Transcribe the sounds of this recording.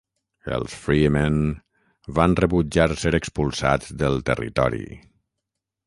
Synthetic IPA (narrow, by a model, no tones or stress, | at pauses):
ə̰lˠsfɾimen | βanrəβud͡ʒaɾseɾəkspulˠsa̰t̪d̪əlˠt̪ərḭt̪ɔ̰ɾḭ